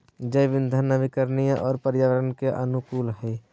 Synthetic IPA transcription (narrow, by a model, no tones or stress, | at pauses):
d͡ʒəjʋɪnd̪ʱənaʋɪkəɾnijãʔɔːɾpəɾjaʋəɾənkeʔə̰nʊkuːlɦɛː